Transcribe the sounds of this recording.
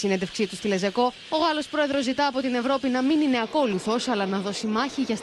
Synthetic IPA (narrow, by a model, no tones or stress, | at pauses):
sined̪e̞fksit̪ust̪ile̞ze̞ko̞ | o̞ɣɐlo̞spɾo̞e̞ðɾo̞zːit̪ɐːpo̞t̪ine̞vɾo̞pinɐminine̞ɐko̞luθo̞sɐlɐnɐðo̞simɐçiʝɐs